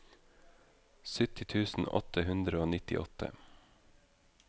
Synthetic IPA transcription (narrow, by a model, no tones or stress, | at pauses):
sʏt̪ɪt̪ʰʉːsn̩ɔ̰t̪əhʉnd̪ɾəoːnɪt̪ɪ̰ʔɔ̰t̪ʰə̰